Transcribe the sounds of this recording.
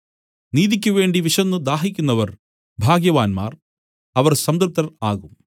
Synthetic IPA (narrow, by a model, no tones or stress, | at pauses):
niːðikʲːuʋe̞ːɳɖiʋiʂɐnːɨd̪aːɦikʲːunːɐʋɐr | bʱaːɡjɐʋaːnma̰ːr | ɐʋɐrsɐmd̪ɐrp̚t̪ːɐraːɣum